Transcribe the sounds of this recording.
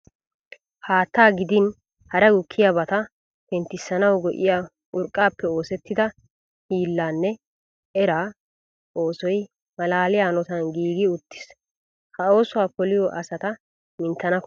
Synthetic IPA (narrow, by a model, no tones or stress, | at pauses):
haːt̪ːaːɡɪd̪ɪn | hɐɾɛɡʊkʰːɪjabɐt̪ɐ | pɛnt̪ːɪsːɐnɐwɡɔʔɪ̰jaː | ʊɾkʼːaːpːɛo̞ːsɛt̪ːɪd̪ɐ | hiːlːaːnːɛ | ɛɾaː | ʔo̞ːsɔj | mɐlaːlɪjaːnɔt̪ɐnɡiːɡɪʊt̪ːɪ̥s | hɐo̞ːsʊwaːkɔlɪjɔʔɐsɐt̪ɐ | mɪnt̪ːɐnɐk